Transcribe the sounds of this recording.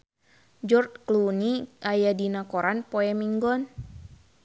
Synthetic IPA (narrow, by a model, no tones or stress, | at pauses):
d͡ʒɔrt̚kluniajadinakɔɾanpɔɛmiŋɡɔn